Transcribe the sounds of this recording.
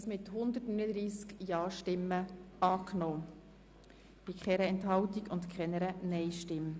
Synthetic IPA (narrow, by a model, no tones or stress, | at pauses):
smɪt̪hʊnd̪ətnyːnəd̪ɾiːskjɑːʃtɪmːəɑːknoː | b̥ikχɛɾəɛntɦɑwtiɡʊnt̪kʰɛnəɾənɛɪʃtɪm